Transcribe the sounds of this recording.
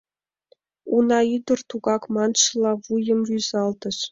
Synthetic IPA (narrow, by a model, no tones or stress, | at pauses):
unɑid̪ɤ̆rt̪uɡɑkmɑnʃɤlˠɑvujɤ̆mryzɑlˠt̪ɤ̆ʂ